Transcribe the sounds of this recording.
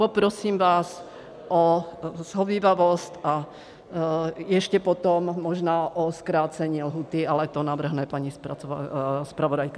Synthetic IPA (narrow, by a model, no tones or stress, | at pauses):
pɔpɾɔsiːmʋaːs | ʔɔz̥ɦɔʋiːʋaʋɔst̪ʔa | jɛʃcɛpɔt̪ɔmːɔʒnaːʔɔskɾaːt͡sɛɲiɛlɦuːt̪ialɛt̪ɔnaʋr̩ɦnɛpaɲispa | spɾaʋɔdajka